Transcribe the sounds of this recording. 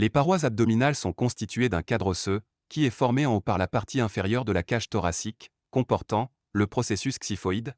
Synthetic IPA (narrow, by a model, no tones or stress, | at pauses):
lepaʁwazab̚d̪ɔminalsɔ̃kɔ̃st̪it̪ʰɥed̪ɛ̃kad̪ʁosø | kʲiɛfɔʁmeɑ̃paʁlapaʁt̪ʰiɛ̃feʁjœʁd̪əlakaʃt̪ɔʁasikː | ɔ̃pɔʁt̪ɑ̃ | ləpχɔsesysksifɔid̪